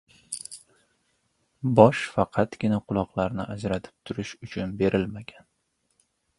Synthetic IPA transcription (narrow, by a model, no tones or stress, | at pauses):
bɒʃfɑqʰɑt̪ɡ̥ʲɪnaqʰʊlˠɒqlˠaɾnɪʔad͡ʒɾat̪ʰɪ̥p̚t̪ʰʊɾɪʃʊt͡ʃʰʊnbe̞ɾʔɪlmaɡʲan